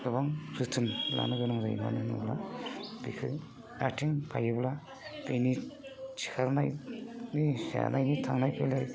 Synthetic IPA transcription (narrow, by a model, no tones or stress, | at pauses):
dɯbaŋsɯtʰɯnla̰nɯɡɯnɯŋza̰jma̰nɯnubla̰bikʰɯ̰ | atʰiŋpʰajɯbla | bejnit͡ʃʰi̥kʰaɾna̰jnisa̰nʔajnitʰaŋnajpʰelaj